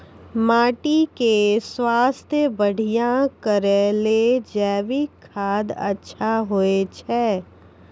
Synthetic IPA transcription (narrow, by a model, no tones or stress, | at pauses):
maːʈikeswaːst̪ʰjəbəɽ̤ʱijãkəɾeled͡ʒɛːʋikʰːaːd̪ə̰tːʃʰaɦoet͡ʃʰɛː